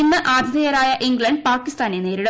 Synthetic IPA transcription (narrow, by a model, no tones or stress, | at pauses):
inːɨʔaːd̪ʱjɐðɐjɐɾaːjɐʔiŋɡɭɐɳɖ̚paːkːist̪aːnene̞ːɾiɽɐ